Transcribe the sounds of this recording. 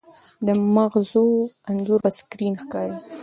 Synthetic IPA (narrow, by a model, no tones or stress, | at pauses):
d̪əmaɣzuanzuɾaskɾinxkɑɾi